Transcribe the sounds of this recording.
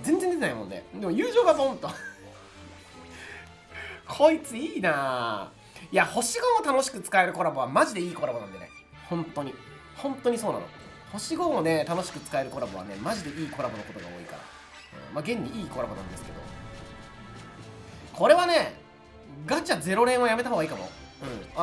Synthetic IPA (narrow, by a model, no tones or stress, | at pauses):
zẽ̞nzend̪eenaimõ̞nːḛd̪e̞mo̞jɯ̟ːʑo̞ːɡazoõnt̪o | kʰo̞it͡sɨiːna | jaho̞ɕiɡo̞ot̪ano̞ɕi̥kɯ̟t͡sɨ̥kae̞ɾɯ̟ko̞ɾabo̞β̞amaʑid̪e̞iːko̞ɾabo̞nãnd̪e̞nḛ | hõ̞nt̪o̞ɲ̟i | hõ̞nt̪o̞ɲ̟iso̞ːna̰no̰ | ho̞ɕiɡo̞one̞t̪ano̞ɕi̥kɯ̟t͡sɨ̥kae̞ɾɯ̟ko̞ɾabo̞βa̰ne̞̰maʑid̪e̞iːko̞ɾabo̞noko̞t̪o̞ɡa̰o̞̰ːikaɾa̰ | ɯ̰̃maɡẽ̞ɲ̟ːiiːko̞ɾabo̞nã̰nd̪e̞sɨ̥ke̞d̪o̞̰ | kʰo̞ɾe̞βane̞ | ɡat͡ɕaze̞ɾo̞ɾẽ̞ɰ̃βojame̞t̪aɦoːɡaiːkamo̞̰ɯ̟ɯ̃ɴ